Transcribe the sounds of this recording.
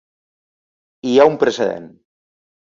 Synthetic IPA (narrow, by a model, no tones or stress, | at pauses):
iaumpɾeseðḛn